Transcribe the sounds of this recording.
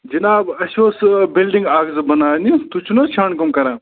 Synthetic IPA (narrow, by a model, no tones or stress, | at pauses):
d͡ʒinaːbɐɕoːsbilɖĩŋɡaːɡzɨbɐnaːnit̪ut͡ʃʰunɐt͡ʃʰaːnkɐmkɐɾãː